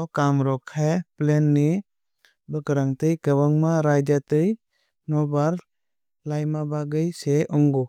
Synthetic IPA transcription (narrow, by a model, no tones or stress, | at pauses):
kamɾɔkʰajplenːi | bɯkɾaŋtɯjkəwaŋmaɾajdjatɯj | nɔbaɾ | lajmabaɡɯjseɔŋɡɔ